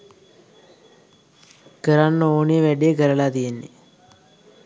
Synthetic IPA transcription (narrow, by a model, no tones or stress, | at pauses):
kəɾanːəoːniʋæɖijəkəɾɐlaːt̪ijenːḛ